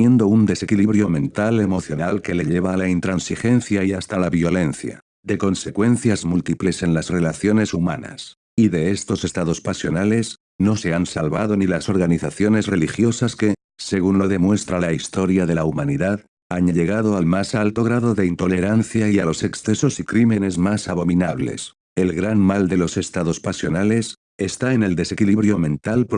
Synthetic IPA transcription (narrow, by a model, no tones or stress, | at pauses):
je̞nd̪o̞und̪e̞se̞kiliβɾjo̞mẽ̞nt̪ale̞mo̞θjo̞nalke̞le̞ʎe̞β̞aːlaint̪ɾansixe̞nθjaiast̪alaβjo̞le̞nθja̰ | d̪e̞ko̞nse̞kwe̞n̟θjazmult̪iple̞se̞nlasre̞laθjo̞ne̞suma̰na̰s | iðe̞est̪o̞se̞st̪aðo̞spasjo̞nale̞s | no̞se̞ansalβaðo̞nilaso̞ɾɣaniθaθjo̞ne̞zre̞lixjo̞saske̞ | se̞ɣ̞unlo̞ðe̞mwe̞st̪ɾalaist̪o̞ɾjaðe̞laumaniðað | aɲaʎe̞ɣ̞aðo̞almasalt̪o̞ɣ̞ɾaðo̞ðe̞int̪o̞le̞ɾanθjaialo̞se̞ksθe̞so̞sikɾime̞ne̞zmasaβo̞minaβ̞le̞̰s | e̞lɣɾanmald̪e̞lo̞se̞st̪aðo̞spasjo̞nale̞s | est̪aene̞ld̪e̞se̞kiliβɾjo̞mẽ̞nt̪alp